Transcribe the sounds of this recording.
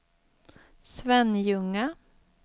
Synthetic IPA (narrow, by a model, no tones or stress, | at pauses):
svɛnjɵŋːa